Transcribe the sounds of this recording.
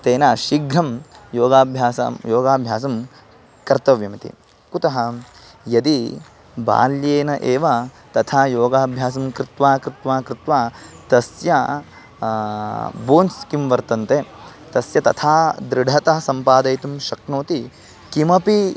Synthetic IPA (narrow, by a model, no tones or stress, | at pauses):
t̪eːnaʃiɡɾɐmjoːɡaːbʱjaːsɐ̰mjoːɡaːbʱjaːsɐm | kɐɾt̪ɐʋjɐmɐt̪ḭ | kut̪ɐɦɐ | jɐd̪i | ba̰ːljeːnɐʔeːʋɐ | t̪ɐt̪ʰaːjoːɡaːbʱjaːs̬ɐmkɾɪt̪ʋaːkɾɪt̪ʋaːkɾɪt̪ʋaːt̪ɐsjɐ | boːnskimʋɐɾt̪ɐnt̪e | t̪ɐsjɐt̪ɐt̪ʰaːd̪ɾɪɖʱɐt̪ɐɦɐsɐmpaːd̪ɐjt̪umʃɐknoːt̪i | kimɐpi